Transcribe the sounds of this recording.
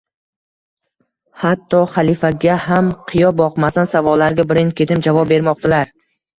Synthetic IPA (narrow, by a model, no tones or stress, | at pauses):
hat̪ːɒχalˠifaɡʲahamqʰɨjɒbɒqmasansavɒlːaɾɡʲabɪɾɪnŋkʲʰe̞t̪ɪmd͡ʒavɒp̚be̞ɾmɒq̚t̪ʰalaɾ